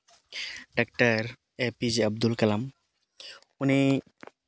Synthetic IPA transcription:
ɖak̚taɹ | epiziab̚d̪ulkalam | uni

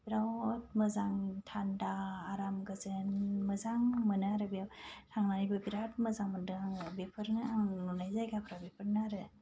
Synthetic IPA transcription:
b̥iɾawt̚məzaŋtʰandaːɾamɡəzɯnməzaŋmɯnɯaɾɯbijawtʰaŋnaɾibɯbiɾat̚məzaŋmɯndɯaŋbepʰɯɾnɯaŋnunajzajɡapʰɾawbepʰɯɾnaaɾɯ

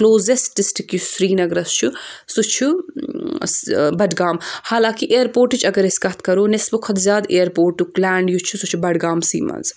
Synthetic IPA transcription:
kloːzesʈisʈikjusɾiːnɐɡɾɐst͡ʃʰusut͡ʃʰu | bɐɖɡaːmhaːlãːkiʔeːɾpoːɾʈut͡ʃʰɐɡɐɾeskɐt̪ʰkɐɾoːnesbukʰɐt̪d̪zjaːd̪eːɐɾpoːɾʈːuklaːɳɖjut͡ʃʰusut͡ʃʰubɐɖɡaːmsḭːmɐ̰nz

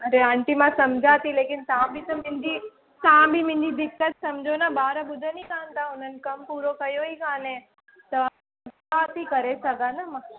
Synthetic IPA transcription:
ɐɾeãːɳʈimãsɐmd͡ʒʱaːt̪ʰileːkɪnt̪aãbʱit̪ɐmɪ̃ɲd͡ʑi | t̪aãbʱimɪ̃ɲd͡ʒid̪ɪkːət̪sɐmd͡ʒʱonabaːɾəbʊd̪ʱənĩkãːnt̪aʊn̤ənɪ̆kɐmpuːɾokɐjoɦikaːnẽ | t̪ɐ | ɐtat̪ikɐɾesɐɡanamãː

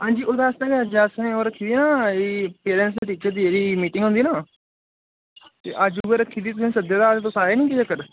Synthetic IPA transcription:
ɦãːɲd͡ʒiːoːd̪ãːəsãːkeəd͡ʒəsẽːoɾəkʰːiːd̪iːnaːeːpeːɾɛ̃ːns̬d̪eːʈiːt͡ʃəɾd̪iːeːɾiːmiːʈɪ̃ŋɡɦʊ̃nd̪iːnaː | t̪ḛːʔəd͡ʒuʋeɾəkʰːiːd̪iːt̪̬ʊsĩːsəd̪jaːd̪aːt̪oːsaːɾeːnĩːkid͡ʒəkəɾ

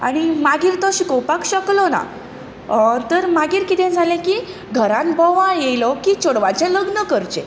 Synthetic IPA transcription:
a̰ɽ̃imaɡiːɾt̪ɔɕikɔwpakɕəklɔna̰ | t̪əɾmaɡiːɾkit̪ʰɛ̃d͡zʱalẽki | ɡʱəɾãnbʱɔʋajejlɔkit͡ɕoɽʋat͡ɕɛ̃ləɡnəkəɾt͡ɕḛ̃

